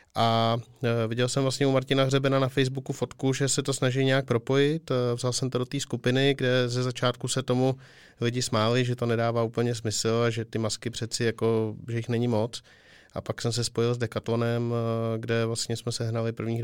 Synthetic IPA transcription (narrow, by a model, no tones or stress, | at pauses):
ʔa | vɪɟɛlsɛmvlast̪ɲɛumaɾcɪnaɣrɛbɛnanafɛjzbukufo̞t̪kuʒɛsɛt̪o̞snaʒɪjɲɛjak̚pɾo̞po̞jɪt̪vzalsɛmt̪odot̪iːskupɪnɪɡdɛzɛzat͡ʃaːt̪kusɛt̪o̞mu | lɪɟɪsmaːlɪʒɛt̪o̞nɛdaːvaːupl̩ɲɛs̬mɪsl̩aʒɛt̪ɪmaskɪpr̝̥ɛt͡sɪjako̞ʒɛjɪxnɛɲɪmo̞t͡s | ʔa̰paksɛms̬ɛspo̞jɪlzdɛkat̪lo̞nɛmɡdɛvlast̪ɲɛsmɛsɛɦnalɪpr̩vɲiːx